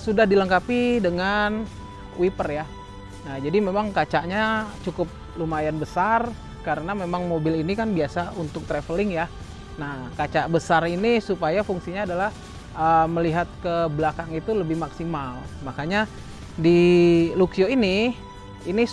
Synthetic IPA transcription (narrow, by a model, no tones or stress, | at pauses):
sudahdiləŋkapidəŋan | w̰ipərja | nahd͡ʒadimemaŋkat͡ʃaʔɲat͡ʃukʊp̚ | lumajanbəsar | kaɾənamemaŋmobɪlinikanbiasaunt̪ʊk̚t̪ɾefəlɪŋja | nahkat͡ʃaʔbəsarinisupajafuŋsiɲaːdalah | əməliɦat̪̚kəblakaŋit̪uləbɪhmaksimalmakaɲa | diluksioini | ini